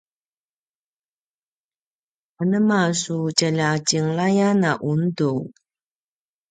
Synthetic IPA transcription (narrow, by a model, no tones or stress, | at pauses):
anəmasucaʎat͡ɕiŋlajanaʔundu